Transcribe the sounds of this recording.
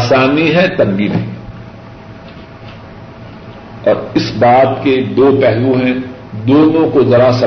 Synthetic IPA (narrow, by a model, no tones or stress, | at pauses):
saːniɦɛt̪ɐmbimɦɛ̰̃ | ɔːɾɪsbaːt̪ked̪oːpɛɦlũɦɛ̃ | d̪oːnõkozɐɾasɐ